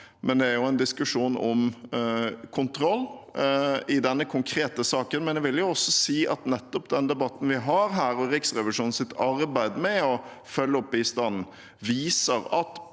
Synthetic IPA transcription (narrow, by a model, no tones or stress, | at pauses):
mʔɛnd̪ɛæɾjʊɛnd̪ɪskʉʂuːnɔm | kʰʊnt̪ʰɾɔlː | ɪd̪ɛnːəkʰʊŋkʰɾeːt̪əsɑːkənmɛnd̪ɛʋɪljʊɔsːɔsiːʔɑt̪nɛt̪ːɔpd̪ɛnd̪ɛbɑt̪ːn̩ʋɪɦɑɾɦæːɾɔɾɪksɾɛʋɪʂuːn̩sɪt̪ʰːɑɾbæɪd̪mɛɔ | fœlːəɔpbiːst̪ɑnn̩ | ʋiːsəɾɑt̪